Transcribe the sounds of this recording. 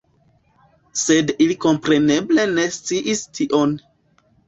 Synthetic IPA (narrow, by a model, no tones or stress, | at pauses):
se̞diliko̞mpɾe̞ne̞ble̞ne̞st͡siʔistʰiʔon